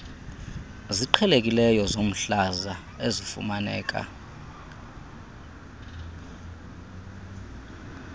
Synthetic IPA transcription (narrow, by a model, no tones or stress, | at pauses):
ziǃʰɛlek̬ʼilɛjɔzom̩ɬaza | ezifṵmanɛːk̬ʼa̰